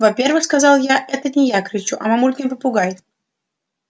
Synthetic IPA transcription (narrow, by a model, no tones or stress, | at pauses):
vɐpʲe̞rvɨxskɐzɑlˠjaʔɛt̪ənʲɪjakɾʲɪt͡ɕuʔɐmɐmulʲkʲɪnpəpʊɡajɪt̪